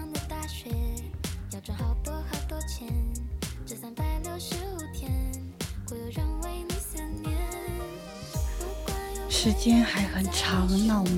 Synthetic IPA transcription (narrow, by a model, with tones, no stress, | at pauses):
ŋd̪ə˧t̪a˥˧ɕɥɛ˧˥jɑ˧˩ʈ͡ʂa˧˥˩xɑ˧˩ʊp̪ɔ˥xə˧˩t̪wɔ˥t͡ɕʰjɛ˧˥nʈ͡ʂɤ˧˩sa˧˩ŋpa˥˧ɪlə˥˧ʊʂɻ̩˧˥u˨˩t̪ʰjɛ˧˥n | ko˧˩jo˧˩ɻə˥˧ŋwe˥˩ɪmi˧˥sə˧˥nɛ˧˥ | ʂɻ̩˧˥t͡ɕjɛ˥nxa˧˥ɪxə˨˩nʈ͡ʂʰa˧˥wə˧˥nnɑ˥˩ʊ˧